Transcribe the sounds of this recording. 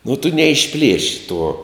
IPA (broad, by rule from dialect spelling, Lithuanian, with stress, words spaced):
nʊ tʊ nʲɛɪʃʲˈpʲlʲiɛʃʲɪ tuɔ